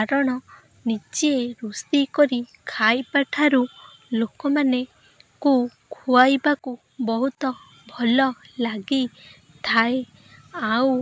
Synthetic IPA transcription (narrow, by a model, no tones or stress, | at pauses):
aɾɔɽ̃ɔ | nit͡ʃieɾust̪ikɔɾikʰajpaʈʰaɾu | lokɔmane | ku | kʰuajbaku | bɔɦut̪ɔ | bʱɔlɔlaɡi | t̪ʰae | aw